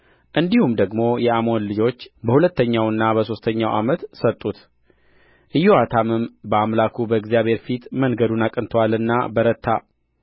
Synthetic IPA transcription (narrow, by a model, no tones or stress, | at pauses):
ʔɨnd̪ihumd̪əɡmo̞jɛamo̞nlɨd͡ʒo̞t͡ʃːbəhulət̪ːəɲːawɨnːabəso̞st̪ʰəɲːawʔa̰mət̪sət̪ʼːut̪ | ʔɨjːoat̪ʰamɨmbəamlakʰubəɨɡzijaβhe̞ɾfit̪mənɡəd̪unakʼɨnt̪ʰwalɨnːa̰bəɾət̪ʰːa̰